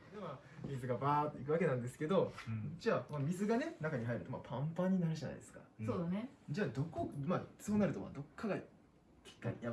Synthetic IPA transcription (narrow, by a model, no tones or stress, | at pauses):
d̪ema | mʲizɨɡabaːt̪ːeikɯ̟βake̞nãnd̪e̞sɨ̥ke̞d̪o̞d͡ʑaːmamʲizɨɡane̞nakaɲ̟iɦaiɾɯ̟t̪o̞ma̰ːpʰãmpãɲ̟ːinaɾɯ̟ʑana̰id̪esɨ̥ka̰sod̪aned͡ʑaːd̪o̞komḁt͡soːnaɾɯ̟t̪oma̰d̪o̞kʰːaɡa | kʲi̥kːaɾʲḭja